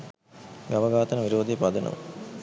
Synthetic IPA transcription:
ɡɐʋɐɡaːt̪ɐnəʋiɾoːd̪ejpɐd̪ɐnʔɐ̰ʋ̰

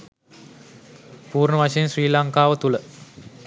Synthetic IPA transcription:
puːrɳəʋaʂejənsriːlaŋkaːʋət̪ulə

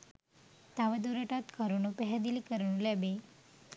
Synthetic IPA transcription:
t̪aʋəd̪uɾəʈat̪kaɾunũpɛɦɛd̪ilikəɾɳũlɛbe

